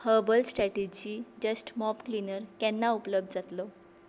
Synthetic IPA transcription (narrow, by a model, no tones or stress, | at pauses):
həbəlsʈɾɛʈed͡ʑid͡ʑəsʈmɔpklinəɾkɛnːaupləb̚d̪d͡zat̪lo